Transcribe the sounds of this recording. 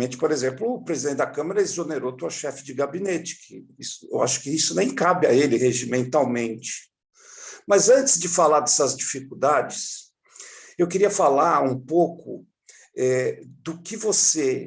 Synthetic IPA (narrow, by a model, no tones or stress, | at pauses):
ẽnt͡ʃɪ̥poɾezẽmplʊːpɾezid̪ẽt͡ʃɪd̪akɐ̃maɾɐezoneɾot̪uɐʃɛfɪd͡ʒɪɡabinet͡ʃɪ̥kʰɪ̰isʊḛwa̰ʃʊ̥kɪisʊnẽj̃kabjɐelɪheʒimẽnt̪awmẽnt͡ʃɪ̥ | mɐzɐ̃nt͡ʃɪzd͡ʒɪfalaɾd̪ɛsɐzd͡ʒifikud̪ad͡ʒɪs | ewkɪɾiɐfalaɾũpokʊ | ɛd̪ʊkɪvose